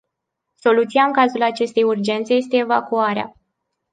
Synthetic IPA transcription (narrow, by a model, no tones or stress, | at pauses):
so̞lut̪siaɨŋkazulat͡ʃe̞st̪e̞jurd͡ʒe̞nt̪se̞je̞s̬t̪e̞ːva̰kuaɾea̰